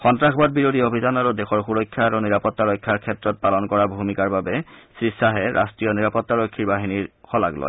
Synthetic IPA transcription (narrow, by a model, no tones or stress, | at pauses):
xɔntɹaxbat̚biɹodʱiobʱidanaɹudexɔɹxuɹɔkʰːjaːɹuniɹapɔtːaɹɔjkʰːjaɹkʰːɛtɹɔt̚palɔnkɔɹabʱumikaɹbabɛsɹisaɦɛɹʔa̰stɹijɔniɹapɔtːaɹokʰːiɹbaɦiniɹxɔla̰klɔ̰j